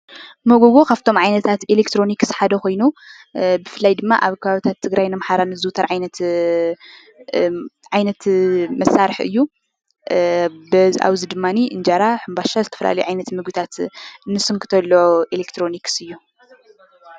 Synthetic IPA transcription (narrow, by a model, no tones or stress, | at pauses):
moɡoɡokʰaβt̪ʰo̞mʕajnɐt̪ʰat̪elekt̪ɾo̞nikːsħad̪ɐko̞jnu | bɨfɨlːajd̪ɨmːa̰ʔaβkʰɐβaβit̪ʰat̪ʰːɨɡɾajnɨmħaɾanɨzɨt̪ʰɐɾʕajnɐt̪ | ʕajnɐt̪mɐsːaɾɨħɨ̰jːu | bɐzʔa̰βzid̪ɨmːaniʔɨnd͡ʒaɾaħɨmbaʃazɨt̪ʰɐ̥fɐ̰lʔa̰lɐjʕajnɐt̪mɨɡɨt̪ʰat̪nːɨsɨŋkʰɨt̪ʰɐlːoʔelekt̪ʰɾo̞niksɨjːu